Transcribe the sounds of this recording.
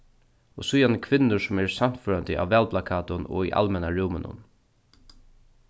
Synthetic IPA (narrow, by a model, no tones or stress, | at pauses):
ɔsujankʰvɪnːʊɹsʊmɛɹsam̥t̪føːɾant̪ɪʔa̰ːwvɛːlplakʰaːt̪ʊnɔ̰iʔa̰lmɛnaɹɪwmɪnʊ̰n